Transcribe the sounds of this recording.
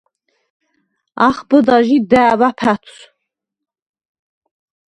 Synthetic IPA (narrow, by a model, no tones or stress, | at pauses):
aχbɨdaʒidabapʰatʰs